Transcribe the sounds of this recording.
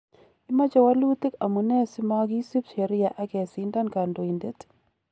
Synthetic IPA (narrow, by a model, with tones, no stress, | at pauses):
ɪ˦ma˦t͡ʃɔ˦wa˦lu˦t̪ɪ˦ka˨mu˨nɛ˦sɪ˦mɔ˦ɡi˦si˦pʃe˨ɾɪ˦ja˨ʔa˦kɛ˨sɪ˨˦nda˦nka˨ndo˨i˨nde˦t